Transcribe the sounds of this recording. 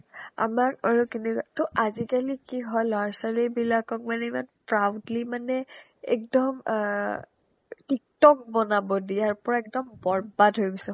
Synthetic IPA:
a̰makaɹukɛnɛkatɔʔazikalikiɦɔjlaɹsalibilakɔk̚manɛimanpɹawdlimanɛ | ɛ̰k̚dɔm | tik̚tɔk̚bɔnabɔdijaɹpɔɹaɛk̚dɔmbɔɹbatɦojbɔsɛ

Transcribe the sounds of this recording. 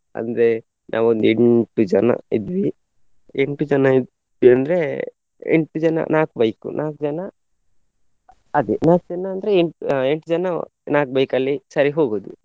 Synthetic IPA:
ɐ̰nd̪ɾe | nʔa̰ːʋond̪ueɳʈud͡ʒɐnɐ̰id̪ʋi | eɳʈud͡ʒɐnɐid̪ | ʋiɐnd̪ɾe | ḛɳʈud͡ʒɐnɐ̰nʔaːkubɐjkṵnʔaːkud͡ʒɐnɐ | ɐd̪enaːkd͡ʒɐnɐːnd̪ɐɾeeɳʈueɳʈud͡ʒɐnɐnaːkubɐjkɐlːisɐɾiɦoːɡoːd̪ṵ

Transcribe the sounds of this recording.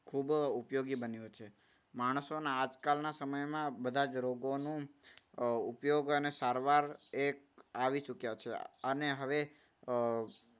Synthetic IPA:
kʰubupjoɡibənjũt͡ʃʰe | maɽ̃sonaːd͡ʒkalnasəməjmãbəd̪ʱad͡ʒɾoɡonũ | upjoɡənesaɾʋaɾek | aʋit͡ʃukjat͡ʃʰeəneɦəʋe

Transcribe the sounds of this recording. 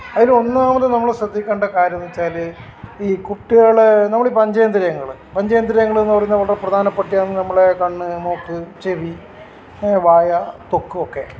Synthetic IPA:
ɐðilumo̞nːaːmɐt̪ːenɐmːɐɭesɐd̪ʱːikʲːaːɳɖɐkaːɾɐnːit͡ɕːaːl | iːkuʈːiɣaːɭenɐmːɐɭipɐɲd͡ʑɐjɐnd̪ɾɐjɐŋːɐɭɨpɐɲd͡ʑɐjɐnd̪ɾɐjɐŋːɐɭenːɨpɐrɐjunːɐʋɐɭɽɐrprɐd̪ʱaːnɐpːɐʈːijaːnːɨnɐmːɐɭekɐɳːɨno̞ːkːɨt͡ɕeʋi | ʋaːjɐt̪o̞kːɨokːe̞̰

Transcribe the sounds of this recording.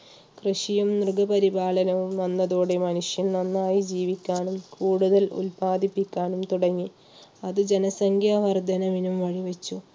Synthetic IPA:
krɨʂijumnrɡɐbɐɾibaːɭɐnɐʋumnɐnːɐðuːɽe̞mɐnuʂjɐnnɐnːaːjid͡ʑiːʋikʲːaːɳumkuːɽuðɐlṵlpaːd̪ipːikʲːaːnumt̪uɽɐŋːi | ɐðɨd͡ʑe̞nɐsɐŋɡʱjaːʋɐrd̪ʱɐnɐʋinumʋɐɻiʋɐt͡ɕːu

